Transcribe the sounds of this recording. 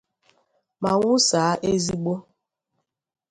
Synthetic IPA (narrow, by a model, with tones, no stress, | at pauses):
ma˨wu˦saː˨˦ʔe˦zi˦ɡ͡bo˦